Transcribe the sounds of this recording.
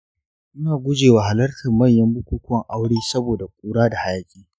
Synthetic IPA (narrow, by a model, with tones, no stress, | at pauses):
mʊ˦naː˨ɡʷʊ˦d͡ʒeː˨waː˨ha˨lɐ˦rtʰɐ˨mːɐ˦˨ɲjɐ˦mbʊ˦kʷuː˦kʷɔ˦ŋʔa˦wɽiː˦sɐ˦boː˨da˨kʷʼuː˦ɽaː˦da˨ha˦jaː˦˨kʲʼiː˦